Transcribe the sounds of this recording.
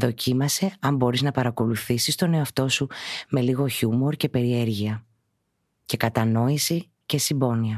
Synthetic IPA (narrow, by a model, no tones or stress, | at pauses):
ðo̞cʰimɐse̞ɐmbo̞ɾiznɐpɐɾɐko̞luθisist̪o̞ne̞oɐft̪o̞sume̞liɣo̞çumo̞ɾce̞pe̞ɾie̞ɾʝiɐ | ce̞kɐt̪ɐno̞isi | ce̞sibo̞niɐ